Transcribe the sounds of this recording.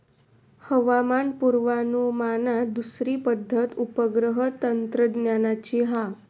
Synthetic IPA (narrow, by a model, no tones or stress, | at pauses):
həʋamanpuɾʋanumanad̪usɾiːpəd̪ʱːət̪upəɡɾəɦət̪ənt̪ɾəd̪njanat͡ɕiɦa